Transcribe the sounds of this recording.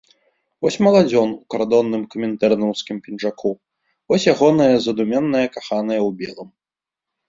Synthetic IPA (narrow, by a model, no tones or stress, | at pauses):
vɔsʲmɐlˠad͡zʲɔnukaɾd̪ɔnːɨmkɐmʲɛnt̪ɛrnɔwskʲimpʲinʐakʰu | vɔsʲjaɣɔnɐjɐzɐd̪umʲɛnːɐjɐkaxanɐjɐwbʲɛlˠɨm